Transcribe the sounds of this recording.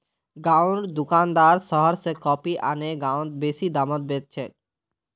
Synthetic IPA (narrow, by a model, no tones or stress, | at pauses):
ɡãwɾd̪ukand̪aɾʃɔɦɔɾsekɔpiʔaneɡãwt̪̚beʃid̪amot̪̚bet̪̚t͡ɕʰe